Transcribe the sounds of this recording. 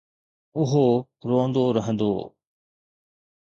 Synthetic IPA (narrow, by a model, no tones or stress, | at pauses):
ʊɦo | ɾõːnd̪oɾəɦə̃nd̪o̰ː